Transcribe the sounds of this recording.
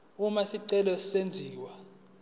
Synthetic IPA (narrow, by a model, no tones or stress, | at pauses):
umasiǀɛlɔsend͡zʱiːwa